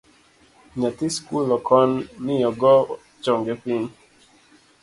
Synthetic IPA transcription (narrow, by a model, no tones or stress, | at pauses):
ɲatiskulɔkʰɔnːɪjɔɡɔ | t͡ʃɔŋɡɛpin